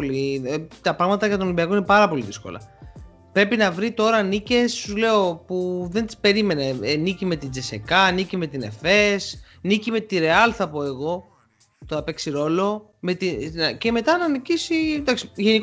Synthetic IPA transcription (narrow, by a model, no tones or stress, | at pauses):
lit̪ɐpɾɐɣmɐt̪ɐʝɐt̪oolimbiɐko̞ine̞pɐɾɐpo̞liðisko̞̰lɐ̰ | pɾe̞pinɐvɾit̪o̞ɾɐnice̞ssule̞o̞puðe̞nt̪ispe̞ɾime̞ne̞nicime̞t̪id͡zesekɐnicime̞t̪ine̞̰fe̞s | nicime̞t̪iɾe̞ɐlθɐpo̞e̞ɣo̞ | t̪oɐpe̞ksiɾo̞lo̞ | me̞t̪inɐce̞me̞t̪ɐnɐnicisid̪ɐksi̥ʝe̞nik